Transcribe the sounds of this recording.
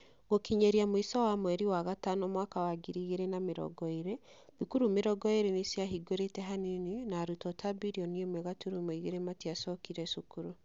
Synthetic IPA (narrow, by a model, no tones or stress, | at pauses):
ɡokiɲɛɾiamwisɔwamwɛɾiwaɣatanɔmwaːkawaɡiɾiɣeɾɛnameɾɔ̰ɡɔeɾe | βikuɾumeɾɔɡɔeɾenisjaɦiɡoɾetɛɦaninenaɾutɔtʰabiɾiɔniemwɛɣatuɾumoiɣeɾematiasɔkiɾɛsukuɾu